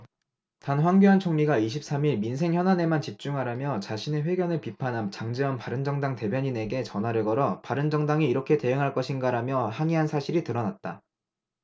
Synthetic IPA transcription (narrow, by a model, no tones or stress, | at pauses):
tanɸwaŋɡuɦant͡ɕʰoŋɲiɡaiɕ̬ʰip̚s͈amiɭmins̬ʰe̞ŋçjʌnane̞mant͡ɕip̚t͡ɕ͈uŋɦaɾamjʌt͡ɕaɕʰine̞ɸwe̞ɡjʌnɯɭpipʰanɦamt͡ɕaŋd͡ʑiʌnpaɾɯnd͡ʑʌŋdaŋte̞bjʌɲine̞ɡe̞t͡ɕʌnwaɾɯɭɡʌɾʌpaɾɯnd͡ʑʌŋdaŋiːɾʌkʰe̞te̞ɯŋɦaɭk͈ʌɕʰinɡaɾamjʌhaɲiɦansʰaɕʰiɾitɯɾʌnat̚t͈a̰